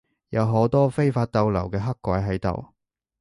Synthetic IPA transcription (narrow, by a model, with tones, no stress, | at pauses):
jɐ˨˧wɦo˨˥wt̪ɔː˥fe˥jfaː˧t̚t̪ɐ˧wlɐ̰˨˩wkɛː˧ɦɐ˥kʷːaː˨˥jɦɐ˨˥jt̪o̰˨w